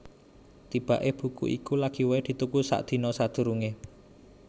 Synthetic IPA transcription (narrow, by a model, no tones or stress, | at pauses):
t̪ib̥a̤ʔeb̥ṳkṵʔḭkulaɡ̥i̤wed̪̥i̤t̪ukusa̰ʔd̪̥i̤nɔsad̪̥ṳɾuŋe